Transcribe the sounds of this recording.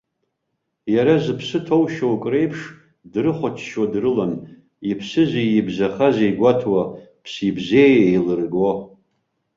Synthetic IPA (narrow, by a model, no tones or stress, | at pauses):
jaɾazɨpʰsɨtʰowʃowkʼre̞jpʰʂ | drɨχʷat͡ʃʰʃwadrɨlan | ipʰsɨzʷijibzaχazejɡʷatʰwa | pʰsibzejejlɨrɡo